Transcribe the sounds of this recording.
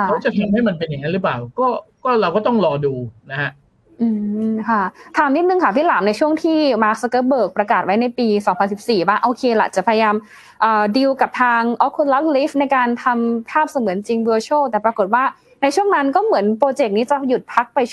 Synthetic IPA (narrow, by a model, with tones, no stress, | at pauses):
a˥˩t͡ɕa˨˩t̪ʰa˧mha˥˩jma˧npe˧nja˨˩ŋa˦˥lɯ˦˥plaː˨˩wkɔː˥˩kɔː˥˩ɾa˧wkɔː˥˩t̪ɔ˥˩ŋɾɔː˧duː˧na˦˥ha˦˥ʔ | ʔɯː˧kʰa˥˩t̪ʰaː˨˧mni˦˥t̪̚nɯ˧ŋkʰa˥˩t̪ʰiː˥˩laː˩˦mna˧jt͡ɕʰu˥˩əŋt̪ʰiː˥˩maː˦˥k̚sa˧kɤː˧˥bɤː˨˩k̚pɾa˧kaː˨˩wa˦˥jna˧jpiː˧sɔː˩˦ŋpʰa˧nsi˨˩p̚siː˨˩waː˥˩ʔoː˧kʰeː˧la̰˨˩t͡ɕa˨˩pʰa˧ja˧jaː˧m | ʔɤː˨˩di˧wka˨˩p̚t̪ʰaː˧ŋʔɔ˦˥kʰːu˧la˦˥p̚li˦˥fna˧jkaː˧nt̪ʰa˧mpʰaː˥˩p̚sa˧mɯ˩˦ənt͡ɕi˧ŋwɤː˧t͡ɕʰoː˥˩t̪ɛː˨˩pɾa˧ko˨˩t̪̚waː˥˩ | na˧jt͡ɕʰu˥˩əŋna˦˥nkɔː˥˩mɯ˩˦ənpɾoː˧t͡ɕe˨˩k̚niː˦˥t͡ɕa˨˩ju˨˩t̪̚pʰa˦˥k̚pa˧j